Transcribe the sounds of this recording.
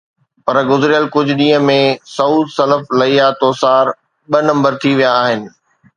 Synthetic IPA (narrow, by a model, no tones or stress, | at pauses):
pɐɾɡʊzɾijəlkʊd͡ʑʱʊ̆ɗĩːɦə̃mẽsɐuːd̪sɐləflɐiːat̪oːsaːɾ | ɓɐnɐ̃mbəɾt̪ʰiʋijaːɦɪnɪ̆